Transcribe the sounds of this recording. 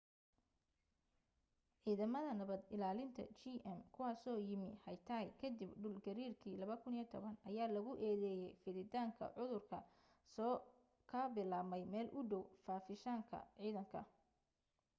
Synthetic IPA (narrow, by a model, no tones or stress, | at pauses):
ʕiːðɐmɐðɐnɐβɐd̪ɪlaːlɪnt̪ʰɐ̰t͡ʃiʔɛmkʰʊwɑːsɔːjɪmɪhɐjt̪ʰaːjkʰɐd̪ibɖʊlɡɐɾiːrkʰiːlɐβɐkʰʊniːt̪ʰɔβɐnɐjaːlɐɣʊʔɛːðɛːjɛjfɪðɪd̪aːŋkʰɐ̰ʕʊðʊrkʰɐ̰ | sɔː | kʰɐbɪlaːmɛjmɛːlʔʊɖɔwfaːfɪʃaːŋkʰɐ̰ʕiːðɐŋkʰɐ̰